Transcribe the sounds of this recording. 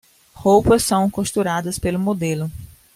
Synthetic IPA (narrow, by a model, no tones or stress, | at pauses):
howpɐssɐ̃w̃koʃt̪uɾad̪ɐspelʊmod̪elʊ